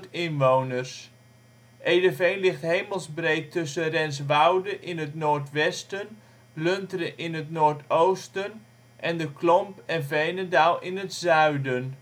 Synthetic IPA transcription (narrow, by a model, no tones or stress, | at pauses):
tɪnʋownərs | ʔejdəvejnlɪχtɦejməlˠzbrejttːɵsənrɛns̬ʋawdəʔɪnətnoːɹtʋɛstən | lɵntərəʔɪnɦətnoːɹtowstən | ʔɛndəklɔmpɛnvejnədalˠɪnətsœɥdən